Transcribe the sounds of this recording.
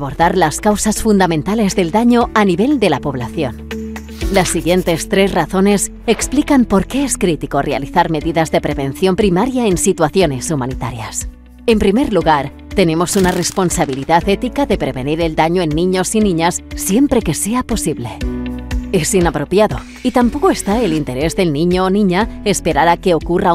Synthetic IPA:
aβo̞ɾðaɾlaskawsasfund̪amẽ̞nt̪ale̞zðe̞ld̪aɲo̞aniβe̞ld̪e̞lapo̞βlaθjo̞n | lasːiɣje̞nt̪e̞st̪ɾe̞zraθo̞ne̞s | e̞ksplikampo̞ɾke̞eskɾit̪iko̞rʔea̰liθaɾme̞ðiðazðe̞pɾe̞βe̞nθjo̞mpɾimaɾjae̞nsit̪waθjo̞ne̞sumanit̪a̰ɾjas | e̞mpɾime̞ɾluɣaɾ | t̪e̞ne̞mo̞sunare̞spo̞nsaβiliðaθe̞t̪ikaðe̞pɾe̞βe̞niɾe̞ld̪aɲoe̞nːĩɲo̞sinĩɲasːje̞mpɾe̞ke̞seapo̞siβle̞ | e̞sinapɾo̞pjaðo̞̰ | it̪ampo̞ko̞e̞st̪aelint̪e̞ɾe̞zðe̞lnĩɲo̞ːnĩɲaespe̞ɾaɾake̞o̞kura

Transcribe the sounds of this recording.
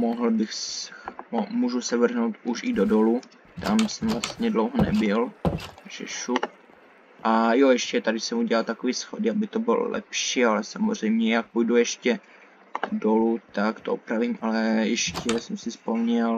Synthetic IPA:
moɦl̩bɪxs | muʒusɛvr̩ɦnowt̪uʃɪdodo̞lu | t̪amsɛmvlast̪ɲɛdlowɦonɛ̰bɪlʒ̥ɛ̰ʃuk | ʔajojɛʃcɛt̪adɪsɛmuɟɛlalt̪akoviːsxodɪabɪt̪obɪ̰l̰lʔɛ̰pʃiːalɛsamozr̝ɛjmɲɛjak̚pujdujɛʃcɛ | dolut̪akt̪oopɾavimʔalɛjɛʃcɛsɛmsɪspomɲɛl

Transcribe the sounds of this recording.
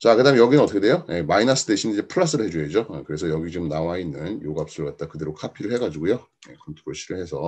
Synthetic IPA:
t͡ɕakɯdamjʌɡinɯnʌt͈ʰʌkʰdejoje̞mainas͈ɯ̥deɕʰinid͡ʑe̞pʰɯɭas͈ɯɾɯɭhe̞d͡ʑued͡ʑokɯɾe̞sʰʌjʌɡit͡ɕomnawainːɯnjoɡap̚s͈uɭɡat̚t͈akɯde̞ɾokʰapʰiɾɯɭhe̞ɡad͡ʑiɡujo | je̞kʰontʰoɾoɭɕʰiɾɯɭhe̞sʰʌ

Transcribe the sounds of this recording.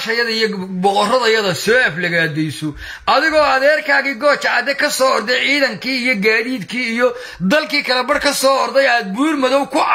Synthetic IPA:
ʃɐjɐðɐijɔbɔqɔrɐðɐjɐðɐsɔːɛflɐɣaːd̪ɛjsɔ | ʔɐðɪɣɔːɐðɛːrkʰaːɣiɡɔːt͡ʃɐʕɑd̪ɛkʰɐsɔːɔɾd̪ɛjʕiːðɐŋkʰiːijɔɡaːðiːd̪kʰiːijɔ | d̪ɐlkiːkʰɐlɐbɐrkʰɐsɔːɔɾd̪ɛjaːd̪̚buːrmɐðɔwkʰʊʕ

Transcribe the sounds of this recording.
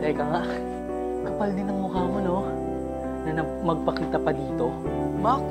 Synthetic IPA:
ɛɡɐŋaʔ | kɐpɐld̪ɪnɐŋmʊkaːmono̞ | nɐnɐ | mɐɡ̚pɐkiːt̪ɐpɐd̪iːt̪o̞ | mak

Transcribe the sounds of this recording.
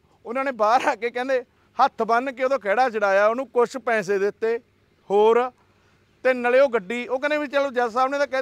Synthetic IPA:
ʊnãːneːbaːɾaːkeːkɛ̃ːnd̪eː | hət̪ʰbənkɪoːd̪õːkɛːɽaːt͡ʃəɽaːjaːoːnũːkʊʃʰpɛ̃ːs̬eːd̪ɪt̪ːeː | hoːɾ | t̪enaleːoːɡəɖːiːoːkɪnẽːbit͡ʃəloːd͡ʒɛːsaːbnẽːd̪aːkɛ̃

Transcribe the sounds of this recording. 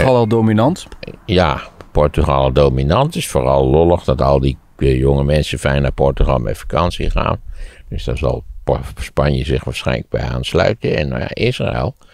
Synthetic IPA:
alɛlˠdominɑntjapɔrtyχalˠdowminɑntɪsfoːrɑlˠlɔləχdɔtɑlˠdi | joŋəmɛnsəfɛjnːapɔɹtyxɑlˠmɛ̰fḁkɑnsiχa̰ːnd̥øsdazɑ̰lˠspanjəzɪxʋaːɹsχɛjnlək̚bɛ̰ja̰ːnslœ̰ɥtəɛ̰nja̰ʔɪsra̰ɛ̰lˠ

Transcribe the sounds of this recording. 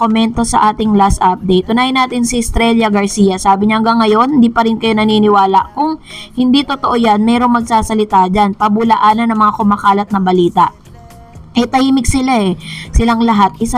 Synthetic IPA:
omɛnt̪o̞sɐʔaːt̪ɪŋlast̪ʔap̚d̪ɛjt̪ʔʊnaːjɪnːaːt̪ɪnsɪɪst̪ɾɛljɐɡɐɹsiːjɐsaːbɪɲahɐŋɡɐŋːɐjo̞nnd̪iːpɐɾɪnkɐjo̞nɐninɪwaːlɐʔkʊŋhɪnd̪it̪ot̪oʔo̞janmɛɾo̞ŋmɐɡ̚saːsɐlɪt̪ad͡ʒanpɐbʊlɐʔaːnɐnɐŋmɐŋakʊmɐkaːlɐt̪̚nɐbɐliːt̪ɐʔ | ʔɛt̪ɐhiːmɪɡsɪlaɛsɪlaŋlɐɦat̪̚ʔɪs

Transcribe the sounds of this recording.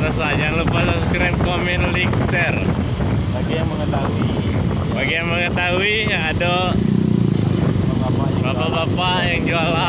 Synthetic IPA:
t̪asajaŋlupasaskɾɛmkominlik̚sɛr | baɡijaŋməŋət̪aɦui | baɡijaŋməŋət̪aɦui | ado | abapabapabapajaŋd͡ʒuala

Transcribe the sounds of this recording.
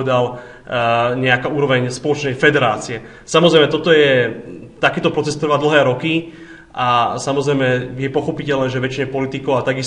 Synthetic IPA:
ɛd̪al | ɲɛakauːɾɔʋɛɲspɔlɔt͡ʃnɛjfɛd̪ɛɾaːt͡siɛ | samɔzɾɛjmɛt̪ɔt̪ɔjɛt̪akiːt̪ɔpɾɔt͡sɛst̪r̩ʋaːd̪l̩ɦɛːɾɔki | ʔasamɔzɾɛjmɛjɛpɔxɔpicɛlnɛːʒɛʋɛt͡ʃiɲɛpɔlit̪ikɔʊat̪aɡis

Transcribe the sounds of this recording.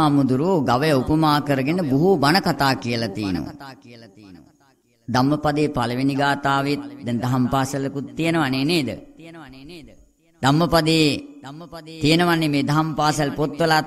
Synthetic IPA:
amud̪uɾuɡaʋəjɐupəmaːkəɾəɡenəbuɦubɐnəkat̪aːkijəlat̪ijə̰nə̰ʋ̰ | d̪amːəpad̪eːpalɐʋiniɡaːt̪aːʋit̪̚d̪ɛnd̪ɐɦɐmpaːsɐlkut̪ːijənəʋaneːneːd̪ə̰ | d̪amːəpad̪eː | t̪ijənəʋanːemeːd̪aɦampaːsalpot̪ʋəlaː

